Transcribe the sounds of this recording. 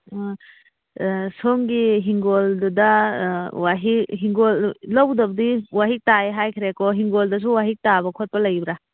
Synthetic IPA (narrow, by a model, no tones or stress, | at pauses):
soŋɡiɦiŋɡɔldudɐ | waɦikɦiŋɡollɔwdɐb̚diwaɦik̚taeɦajkʰiɾekɔɦiŋɡoldɐs̬uwaɦik̚tabɐkʰɔt̚pɐlɐjbɾa